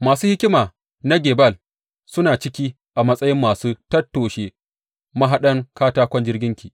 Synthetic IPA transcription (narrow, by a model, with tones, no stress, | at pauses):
maː˨suː˦hɪ˦kʲɪ˦maː˨ | na˦ɡʲeː˨bɐ˦˨l | sʊ˦naː˨t͡ʃɪ˦kʲiː˦ | ʔa˨mɐ˦sʼɐ˦jɪ˦mːaː˨suː˦tɐ˦tːoː˨ʃe˦ | mɐ˦ɦa˦ɗɐ˦ŋkaː˦taː˦kʷɔ˦nd͡ʒɪ˦rɡʲɪ˦ŋkʲiː˨